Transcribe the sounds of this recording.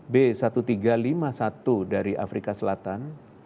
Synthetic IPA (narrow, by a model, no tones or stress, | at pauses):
besat̪ut̪iɡalimasat̪udaɾiʔa̰fɾikasəlat̪an